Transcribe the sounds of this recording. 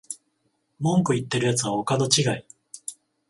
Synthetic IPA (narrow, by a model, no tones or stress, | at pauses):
mõ̞ŋkɯ̟it̪ːe̞ɾɯ̟jat͡sɨβao̞kano̞t͡ɕiɡai